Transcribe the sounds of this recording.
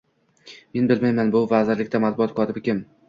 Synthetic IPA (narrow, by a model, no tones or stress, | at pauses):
me̞nbɪlmajmanbʊvazɪɾlɪkʲt̪amat̪̚bʊɒt̪̚kʰɒt̪ʰɪbɪkʲʰɪm